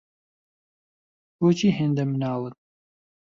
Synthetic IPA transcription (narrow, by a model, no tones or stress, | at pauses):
boːt͡ʃʰiːɦeːnd̪ɐmɨnɑːlˠɨn